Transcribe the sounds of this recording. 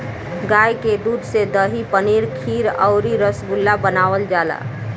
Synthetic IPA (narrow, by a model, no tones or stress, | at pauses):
ɡaːjked̪uːd̪ʱsed̪əɦipəniɾkʰiːɾəʊɾiɾəsbulːabənaːʋəld͡ʒaːla̰